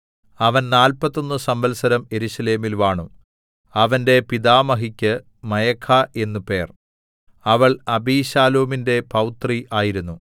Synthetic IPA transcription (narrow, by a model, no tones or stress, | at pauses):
ɐʋɐnnaːlpɐt̪ːo̞nːɨsɐmbɐlsɐɾɐme̞ɾuɕɐle̞ːmilʋaːɳu | ɐʋɐnde̞piðaːmɐɦikʲːɨ | mɐjɐkʰːaʔe̞nːupe̞ːr | ɐʋɐɭɐbiːɕaːloːminde̞pɐwt̪riʔaːjiɾunːu